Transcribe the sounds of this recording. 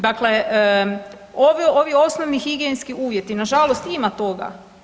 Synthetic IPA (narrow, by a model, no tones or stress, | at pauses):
d̪akle̞ | oʋioʋio̞snoʋnixiɡienskiʔuːʋjet̪inaʒalost̪imat̪o̞ɡa̰